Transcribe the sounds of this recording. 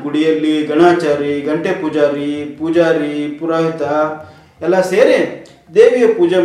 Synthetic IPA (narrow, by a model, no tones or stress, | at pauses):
ɡuɽijɐlːiɡɐnaːt͡ʃaːɾiɡɐɳʈepud͡ʒaːɾipud͡ʒaːɾipuɾaːɦit̪a | ɛlːaseːɾe | d̪eːʋijɐpuːd͡ʒɐ